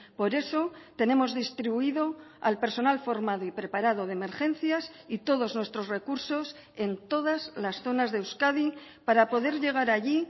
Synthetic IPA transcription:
po̞ɾe̞so̞t̪enẽ̞mo̞zðist̪ɾiβuiðo̞a̰lpe̞ɾso̞nalfo̞ɾmaðoipɾe̞paɾað̞o̞ð̞eme̞ɾxẽ̞n̟θjasit̪o̞ðo̞znwe̞st̪ɾo̞sre̞kuɾso̞s | e̞nt̪o̞ðazlasθo̞nazðeːwskaðipaɾapo̞ðe̞ɾʎe̞ɣ̞aɾaʎi

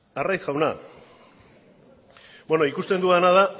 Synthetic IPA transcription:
arajsɣawna̰ | beno̞ikust̪e̞nd̪uanað̞a

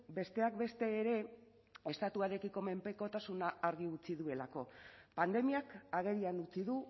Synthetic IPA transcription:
be̞st̪e̞ak̚be̞st̪e̞ːɾe̞ | e̞st̪at̪uaɾe̞kiko̞me̞mpe̞ko̞t̪asunaːɾɣiut͡siðue̞lako̞pand̪e̞miakaɣ̞e̞ɾianut͡siðu

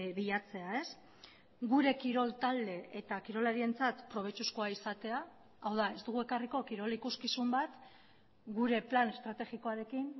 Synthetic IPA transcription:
βiʎat͡se̞ae̞s | ɡuɾe̞kiɾo̞lt̪ald̪e̞ʔet̪akiɾo̞laɾie̞nt͡sat̪pɾo̞β̞e̞t͡ʃusko̞aisat̪e̞a | awðae̞zd̪uɣ̞ue̞kariko̞kiɾo̞likuskisumbat̪ | ɡuɾe̞plane̞st̪ɾat̪e̞ɣiko̞aɾe̞kin

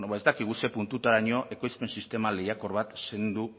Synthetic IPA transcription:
noβaezt̪akiɣ̞use̞punt̪ut̪aɾaɲo̞ʔe̞ko̞jspe̞nsist̪e̞malejako̞ɾβat̪se̞nd̪u

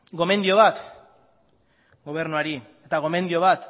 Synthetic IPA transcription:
ɡo̞me̞nd̪io̞β̞at̪ | ɡo̞β̞e̞ɾnuaɾiet̪aɣ̞o̞me̞nd̪io̞βat̪

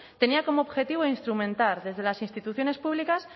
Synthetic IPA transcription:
t̪e̞niako̞moːβxe̞t̪iβoinst̪ɾumẽnt̪aɾðe̞zðe̞lasinst̪it̪uθjo̞ne̞spuβlikas

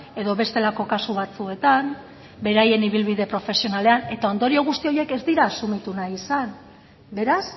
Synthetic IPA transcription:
e̞ðo̞βe̞st̪e̞lako̞kasuβat͡sue̞t̪am | be̞ɾaje̞niβ̞ilβiðe̞pɾo̞fe̞sio̞nale̞ane̞t̪ao̞nd̪o̞ɾio̞ɣ̞ust̪io̞je̞ke̞zd̪iɾaːsumit̪unaisan | be̞ɾas

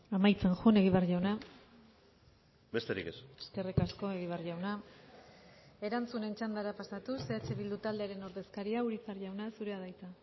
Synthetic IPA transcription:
amajt͡se̞nʝune̞ɣiβerʝawna | be̞st̪eɾḭkḛseske̞rikasko̞e̞ɣ̞iβ̞arʝawna | e̞ɾant͡sune̞nt͡ʃand̪aɾapasat̪use̞at͡ʃe̞βild̪ut̪ald̪e̞aɾe̞no̞ɾðe̞skaɾiauɾit͡sarʝawnasuɾe̞aðajt͡sa

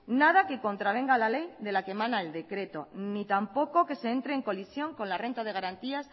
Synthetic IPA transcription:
nað̞ake̞ko̞nt̪ɾaβ̞e̞ŋɡalale̞jd̪e̞lake̞mãnaeld̪e̞kɾe̞t̪o̞̰nit̪ampo̞ko̞ke̞se̞ent̪ɾe̞ːŋko̞lisjo̞ŋko̞nlare̞nt̪að̞e̞ɣ̞aɾant̪ias

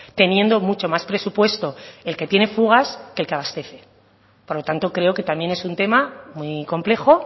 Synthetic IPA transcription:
t̪e̞njẽ̞nd̪o̞mut͡ʃo̞maspɾe̞supwe̞st̪o̞elke̞t̪je̞ne̞fuɣ̞askelkeaβ̞ast̪e̞θe̞ | po̞ɾlo̞t̪ant̪o̞kɾe̞o̞ke̞t̪amje̞ne̞sunt̪e̞mamwiko̞mple̞xo̞

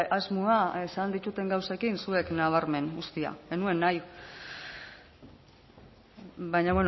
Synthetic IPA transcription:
azmuaesand̪it̪ut̪e̞ŋɡawsakinsue̞knaβ̞aɾme̞nɡust̪ia̰enue̞nːaj | βajɲaβwe̞n

